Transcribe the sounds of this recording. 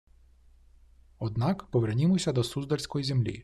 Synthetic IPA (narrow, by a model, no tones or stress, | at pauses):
ɔd̪nɑkpɔʋernʲimɔsʲɐd̪ɔsuzd̪ɐlʲsʲkɔjizʲemlʲḭ